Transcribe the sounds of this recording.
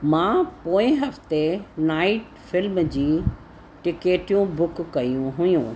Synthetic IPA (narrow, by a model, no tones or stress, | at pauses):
mãːpoːɪ̃ɦɐft̪enaːɪʈ | fɪlmd͡ʑiː | ʈɪkeːʈijũbʊkkːɐjũɦʊjũ